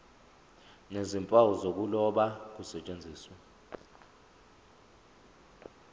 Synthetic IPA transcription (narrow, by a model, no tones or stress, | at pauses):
nezimpʼawuzok̬ulɔɓak̬usɛt͡ʃʼend͡zʱiːswa